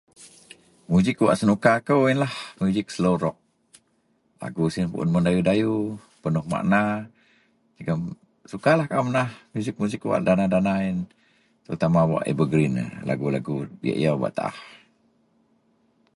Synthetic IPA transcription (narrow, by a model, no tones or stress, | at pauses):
muzɪkːwa̰ʔsənukakəwinlahmjuzɪk̚səloɾɔʔ̚ | la̰ɡusinpṵʔʊ̰nməndajudaju | pənʊhma̰ʔna | d͡ʒəɡəm | sukalahkaumənahmjuzɪk̚muzɪkːwa̰ʔdanadanain | t̪əɾut̪amawa̰ʔḛbəɡɾin̰la̰ɡulaɡudḭa̰ʔj̰aba̰ʔt̪aʔa̰h